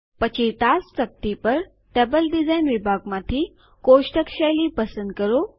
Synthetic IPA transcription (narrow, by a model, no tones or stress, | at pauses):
pət͡ɕʰiʈ̪ast͡sɐk̚t̪ipəɾ | ʈebəlɖid͡zajnʋibʱaɡmãt̪ʰi | koʃʈəkʃajlipəsə̃nd̪̚kəɾo